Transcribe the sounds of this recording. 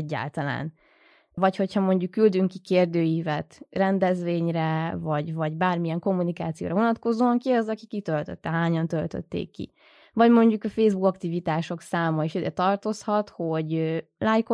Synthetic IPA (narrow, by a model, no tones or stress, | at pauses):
ɟːa̰ːlt̪ɒla̰ːn | vɒcho̞chɒmo̞ɲɟukːyld̪yŋkikeːrd̪øːjiːvɛt̪rɛnd̪ɛzʋeːɲrɛvɒɟvɒɟbaːrmijɛŋko̞mːunika̰ːt̪sijo̰ːɾɒvonɒt̪ko̞zoːɒŋkiɒzɒkikːit̪ølt̪ø̰t̪ːɛɦaːɲɒnt̪ølt̪ø̰t̪ːḛːkːḭ | vɒɟmo̞ɲɟukɒfeːzbukɒkt̪ivit̪aːʃo̞ksaːmɒiʃid̪ɛt̪ɒrt̪o̞shɒt̪ho̞ɟølaːjk